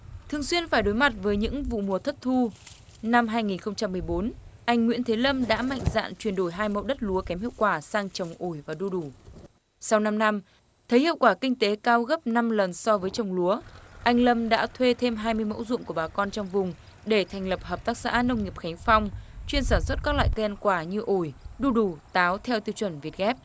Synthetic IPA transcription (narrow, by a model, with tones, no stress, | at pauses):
t̪ʰɨ˨˩əŋswi˧ənfaː˧˩jɗo˨˦jma˨˩t̚vəː˨˦jɲɨ̰˧˥ŋvṵ˧˨mu˨˩ət̪ʰə˦˥t̚t̪ʰu˧ | na˧mɦaː˧jŋi˨˩nxə˧wŋ͡mt͡ɕa˧mːɨ˨˩əjɓo˨˦nʔa˧jŋ̟ŋwḭ˧˥ənt̪ʰe˨˦lə˧mɗa̰ː˧˥ma̰˧˨jŋ̟za̰ː˧˨nt͡ɕwi˧˩ənɗo˧˩jɦaː˧jmə̰˧˨wɗə˦˥t̚lu˨˦əkɛ˨˦mhḭ˧˨ə˨wkwaː˧˩saː˧ŋt͡ɕə˨˩wŋ͡mʔo˧˩jvaː˨˩ɗu˧ɗu˧˩ | sa˧wna˧mna˧m | t̪ʰə˨˦jhḭ˧˨əwkwaː˧˩kï˧ŋ̟t̪e˨˦kaː˧wɣə˦˥p̚na˧mlə˨˩nsɔ˧vəː˨˦jt͡ɕə˨˩wŋ͡mlu˨˦əʔa˧jŋ̟lə˧mɗa̰ː˧˥t̪ʰwe˧t̪ʰe˧mɦaː˧jmɨ˧əjmo̰˧˥wzʊ̰˧˨ku˧˩əɓaː˨˩kɔ˧nt͡ɕɔ˧wŋ͡mvʊ˨˩ŋ͡m | ɗe˧˩t̪ʰa˨˩jŋ̟lə˨˩p̚həː˨˩p̚t̪aː˦˥k̚sa̰ː˧˥nə˧wŋ͡mŋɲi˨˩əp̚xa˨˦ŋ̟fa˧wŋ͡mt͡ɕwi˧ənsaː˧˩nswə˦˥t̚kaː˦˥k̚la̰ː˧˨jt̪ɛ˧nkwaː˧˩ɲɨ˧ʔo˧˩jɗu˧ɗu˨˩t̪aː˨˦wt̪ʰɛ˧wt̪i˧wt͡ɕwə˧˩nvi˨˩ət̚ɣɛ˦˥p̚